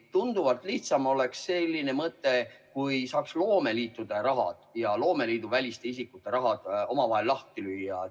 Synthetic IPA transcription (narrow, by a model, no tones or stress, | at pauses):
t̪und̪̥uvɑlt̪ːˑliht̪sɑmo̞le̞ksse̞lʲːine̞mɤt̪ːˑe̞kujsɑːkslo̞ːme̞liːt̪ːˑud̪̥ɑɾɑɦɑ̰d̪̥jɑlo̞ːme̞liːd̪̥uvælʲist̪e̞isikːˑut̪ːˑe̞ɾɑɦɑd̪̥o̞mɑvɑɦe̞lːɑht̪ilyjːɑ